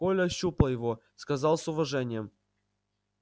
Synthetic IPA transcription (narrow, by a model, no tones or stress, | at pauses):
olʲɐɕːuplˠəjɪvo | skɐzɑlˠsʊvɐʐɛnʲɪjəm